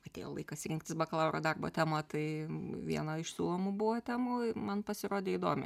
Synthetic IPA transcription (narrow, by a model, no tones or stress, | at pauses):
ɐtʲḛːjo̰lˠɐɪkɐsʲɾʲɪŋkt̪ʲɪsbɐkɐlˠɐʊɾo̰ːd̪ɐrbo̰t̪ʲæːmɐt̪ɐɪʋʲiɛnɐɪʃsʲuːlˠoːmʊbuʋot̪ʲæːmuːɪmɐnpɐsʲɪroːd̪ʲeːid̪oːmʲɪ̰